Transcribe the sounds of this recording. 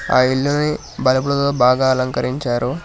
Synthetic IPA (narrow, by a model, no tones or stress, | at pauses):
a̰ːiɭːuni | bɐlɐbuɽɐt̪oːbaːɡaːɐlɐŋkɐɾiɲt͡ʃaːɾu